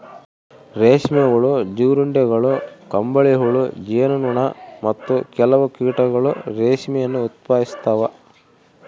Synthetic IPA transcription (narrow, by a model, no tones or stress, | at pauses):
ɾeːʃmɛɡuɭud͡ʒuːɾuɳɖeɡɐɭukɐmbɐɭiɦuɭud͡ʒeːɐnunuɳɐmɐt̪ːukɛlɐʋɐkiːʈɐɡɐɭuɾeːʃmɛjɐnːuːt̪̚paːist̪aːʋɐ